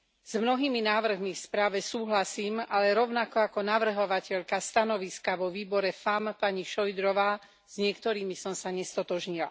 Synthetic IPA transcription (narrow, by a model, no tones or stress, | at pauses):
z̥mnɔɦiːminaːʋr̩ɦmifspɾaːʋɛsuːɦlasiːmalɛɾɔʊnakɔakɔnaʋr̩ɦɔʋacɛʎkast̪anɔʋiskaʋɔʋiːbɔɾɛfampaɲiʃɔjd̪ɾɔʋaː | z̥ɲɪɛkt̪ɔɾiːmisɔmsaɲɛst̪ɔt̪ɔʒɲila̰